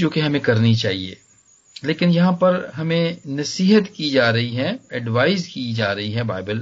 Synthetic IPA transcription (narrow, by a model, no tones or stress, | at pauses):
d͡ʒoːkeɦɐmẽkɐɾnit͡ʃaːɦiḛː | leːkɪnjɐɦãpɐɾɦɐmẽnɐsiːɦət̪kid͡ʒaːɾɐɦiɦɛɛɖʋaːɪzkid͡ʒaːɾɐɦiɦɛbaːɪbəl